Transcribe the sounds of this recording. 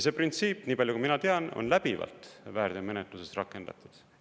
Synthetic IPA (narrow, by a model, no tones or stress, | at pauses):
seprint̪siːpːniːpɑlʲjukuminɑt̪e̞ɑno̞̰nlæb̥ivɑ̰lt̪væːrd̪̥eɑme̞net̪luse̞st̪rɑkːˑe̞nd̪̥ɑ̰t̪ːˑud̪̥